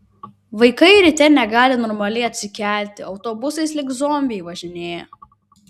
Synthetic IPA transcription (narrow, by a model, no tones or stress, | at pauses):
ʋɐɪkɐɪɾʲɪt̪ʲɛnʲɛɡɑːlʲɪnɔːɾmɐlʲɛɪɐt̪ʲsʲɪkʲæˑlʲˑt̪ʲɪɒʊt̪oːbʊsɐɪslʲɪɡzoːmʲbʲɪɛɪʋɐʒʲɪnʲeːjjɛ̰